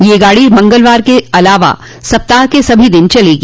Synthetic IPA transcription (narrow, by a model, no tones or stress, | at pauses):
jeɡaːɽimɐ̃ŋɡəlʋaːɾkeɐlaːʋa̰ | sɐp̚t̪aːɦkesɐbʱid̪ɪnt͡ʃɐleːɡiː